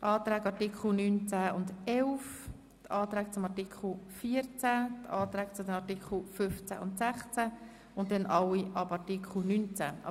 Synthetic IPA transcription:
ʔɑːt̪ɾɛːɡɑɾtikχl̩nynt͡sæʊndɛlf | tʰɑːt̪ɾæːk̚t͡sʊmɑɹtikʰl̩fiːəɾt͡sætʰɑːt̪ɾæːk̚t͡sʊdɛnɑtikχl̩fʏft͡sæ̰ʔʊntsæχt͡sæ | ʊntdɛnʔɑwiʔɑbɑɹtikχl̩nynt͡sæ̰

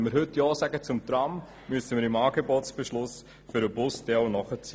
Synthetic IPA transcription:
məɾɦɵtjɔːsæɡət͡sʊmt̪ɾɑm | myəsəmɪːɾɪmɑːɡebotsb̥eʃlʊs | fʏɾəbʊstɛlnɔχət͡s

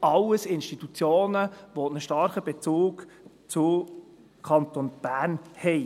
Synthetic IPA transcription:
ɑlːəsɪnʃtit̪ut͡sjoːnəʋonəʃtɑɾχəbet͡suːɡ | t͡sʊ | kʰɑnt̪onb̥æːnhɛɪ

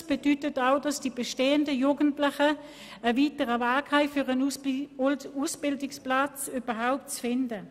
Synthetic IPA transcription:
sb̥edytətaʊdɑsd̥iːbeʃteːəndəjuːɡəntlɪχə | əviːtəʁəvaːkhaɪfʏʁən | usb̥ɪldɪksplat͡syːb̥ɐɦaʊp̚tt͡sfɪndə

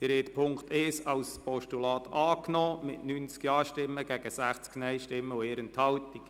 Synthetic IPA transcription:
d̥ɪɾɛːtpʰʊŋkt̪ɛːsɑwspɔʃtulɑːt̪ʰɑːknɔːmɪtnynt͡skjɑːʃtɪmːəɡɛɡ̥əsæχt͡sknɛjʃtɪmːəʊeːɾənt̪hɑltik

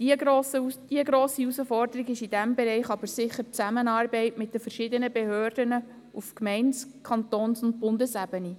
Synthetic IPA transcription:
osd̥iəɡɾoːsiusəfɔrdəɾiɡɪʃid̥æmbɛɾɛɪχɑbəɾsɪχəɾt͡sæmənɑːrbɛɪtmɪt̚d̥əfəɾʃɪd̪ənəbɛhøːrd̥ənə | ufkmɛɪnskʰɑnt̪oːnsʊnt̚bʊndəsæb̥əni

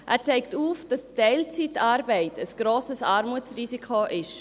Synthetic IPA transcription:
ʔæ̰ːt͡sɛɪktuːfd̥ɑstɛɪlt͡sitɑːɾbɛɪtʰəsɡ̥ɾoːsəsɑːɾmut͡srisikʰoʔɪʃ

